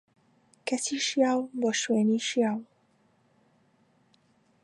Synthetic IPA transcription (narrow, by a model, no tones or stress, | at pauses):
kɐsiːʃjaːwboːʃweːniʃjaːw